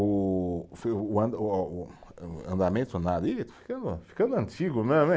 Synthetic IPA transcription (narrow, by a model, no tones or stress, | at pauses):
ufːɐ̃d̪ | ɐ̰̃nd̪amẽnt̪unad̪it̪u̥fi̥kɐ̃nd̪ufi̥kɐ̃nd̪ɐ̃nt͡ʃ̪iɣʊmemẽ